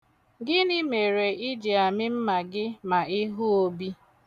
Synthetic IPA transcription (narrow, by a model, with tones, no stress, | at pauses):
ɡɪ˦ni˦me˨ɾe˨i˦d͡ʒi˨a˨mɪ˦m̩˦ma˨ɡɪ˦ma˨ɪ˦ɦʊ˦o˦bi˦